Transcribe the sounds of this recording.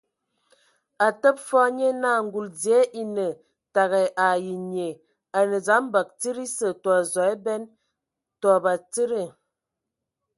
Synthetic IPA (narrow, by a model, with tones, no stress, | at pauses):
a˨tə˦p̚fɔ˦ɲe˦naː˦˨ŋ̩˨ɡu˨ld͡zi˨e˨˦ʔi˨nə˨ | ta˨ɣɛ˨ʔa˨ji˨ɲe˨ | a˨nə˨d͡za˨˦m˦ba˨k̚ti˦ɾi˦sə˨tɔ˨a˨zɔ˨ɛ˦bɛ˦n | tɔ˨ba˨ti˦ɾə˦˨